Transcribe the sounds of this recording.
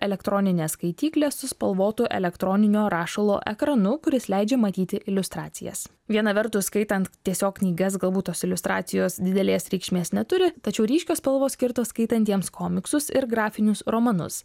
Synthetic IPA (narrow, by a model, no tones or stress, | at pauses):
ɛlʲɛkt̪ɾoːnʲɪnʲeːskɐɪt̪ʲiːklʲeːsʊspɐlˠʋoːt̪ʊʔɛ̰lʲɛkt̪ɾoːnʲɪnʲoːɾɑːʃɐlˠo̰ːʔɛkɾɐnʊkʊɾʲɪslʲɛɪd͡ʒʲɛːmɐt̪ʲiːt̪ʲɪʔɪlʲʊst̪ɾɑːt̪sʲɪ̰jɛ̰s | ʋʲiɛnɐʋʲɛɾt̪ʊskɐɪt̪ɐnt̪t̪ʲiɛsʲoːkknʲiːɡɐsɡɐlˠbuːt̪t̪ːoːsɪlʲʊst̪ɾɑ̰ːt̪sʲɪjoːsd̪ʲɪd̪ʲɛlʲeːsɾʲiːkʃʲmʲeːsnʲɛt̪ʊɾʲɪt̪ɐt͡ʃʲɛʊɾʲiːʃʲkʲoːspɐlˠʋoːsʲkʲɪɾt̪oːskɐɪt̪ɐnʲt̪ʲiɛmskʰoːmʲɪksʊsɪɾɡɾɑːfʲɪnʲʊsɾoːmɐnʊ̰s